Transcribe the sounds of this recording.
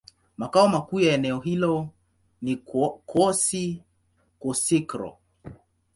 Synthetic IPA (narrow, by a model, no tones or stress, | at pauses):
makaɔmakuːjaɛnɛɔɦilɔ | nikʰɔsi | kɔsikɾɔ̰